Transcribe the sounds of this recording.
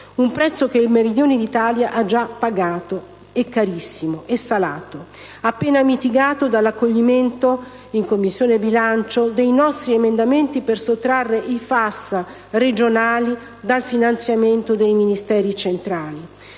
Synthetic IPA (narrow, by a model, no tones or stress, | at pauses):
umpɾɛt̪sːokeilmeɾid̪joːnid̪it̪aːljaʔad͡ʒːapːaɡaːt̪o | ekːaɾisːimoʔesːala̰ːt̪o | apːeːnamit̪iɡaːt̪od̪alːakːoʎːiment̪o | iŋkomːisːjoːnebilant͡ʃod̪ejnɔst̪ɾiemend̪ament̪ipersot̪ːɾarːeʔifasːa | red͡ʒonaːli | d̪alfinant̪sjament̪od̪ejminist̪ɛːɾit͡ʃent̪ɾaːli